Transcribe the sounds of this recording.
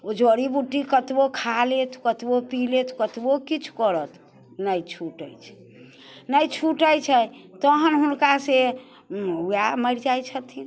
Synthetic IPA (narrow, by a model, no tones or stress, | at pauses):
od͡ʒoɾibuʈːikət̪bokʰalet̪kət̪bopilet̪ɔ̥kət̪bokit͡ʃʰu̥kəɾət̪ | nəjt͡ʃʰuʈə̰jt͡ʃʰɛ̥ | nəjt͡ʃʰuʈəjt͡ʃʰɛt̪əɦənɦunkase | ujaməɾd͡ʒajt͡ʃʰət̪ʰi